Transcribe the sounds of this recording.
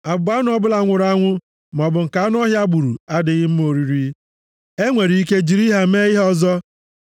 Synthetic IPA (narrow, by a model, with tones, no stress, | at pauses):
a˨ba˦n˦ɔ˦bʊ˦la˦ŋʷʊ˨ɾa˦ŋʷʊ˦ | m˨ɔ˨bʊ˨ŋ̩˨ka˨a˦n˦ɔ˦ɦja˦ɡ͡bu˨ɾṵ˨a˦dɪ˨ɣɪ˦m̩˦mo˨ɾi˨ɾi˦ | e˦ŋʷe˨ɾi˨˦i˦ke˦d͡ʒi˨ɾi˦ɦa˦me˦ɣɪ˦ɦɔ˦zɔ˦